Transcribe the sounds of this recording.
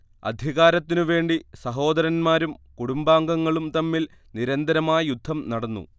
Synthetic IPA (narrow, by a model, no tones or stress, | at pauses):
ɐ̰d̪ʱiɣaːɾɐt̪ːinuʋe̞ːɳɖisɐɦo̞ːd̪ɐɾɐnmaːɾumkuɽumbaːŋɡɐŋːɐɭumt̪ɐmːil | niɾɐnd̪ɐɾɐmaːjɐjud̪ʱːɐmnɐɽɐnːṵ